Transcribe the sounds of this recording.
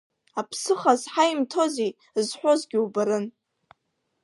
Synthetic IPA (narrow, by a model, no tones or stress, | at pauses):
apʰsɨχazħajimtʰo̞zej | zħʷᶣozɡʲiubaɾɨn